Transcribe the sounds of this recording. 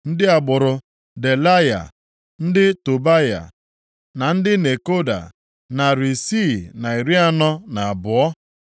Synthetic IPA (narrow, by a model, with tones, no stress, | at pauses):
n̩˦dɪ˦a˨ɡ͡bʊ˨ɾʊ˨ | de˨la˦ja̰˨ | n̩˦dɪ˦to˨ba˦ja̰˨ | na˨n̩˦dɪ˦ne˨ko˦da̰˨ | na˨ɾi˨si˦na˨i˨ɾi˦a˦nɔ˦na˨a˨bʊ˨ɔ˦